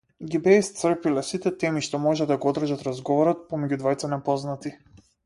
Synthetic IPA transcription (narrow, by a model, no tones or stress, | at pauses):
ɡibɛst̪sr̩pilɛsit̪ɛt̪ɛmiʃt̪ɔmɔʒɛd̪aɡɔɔd̪r̩ʒat̪ɾazɡɔvɔɾɔt̪̚pɔmɛɟud̪vajt̪sanɛpɔznat̪i